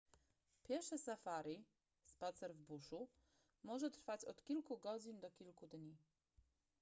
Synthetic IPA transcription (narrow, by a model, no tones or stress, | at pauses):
pʲjɛɾʂɛsafaɾi | spat̪sɛɾvbuʂu | mɔʐɛt̪ɾfat͡ɕɔt̪kʲilkuɡɔd͡ʑind̪ɔkʲilkud̪ɲi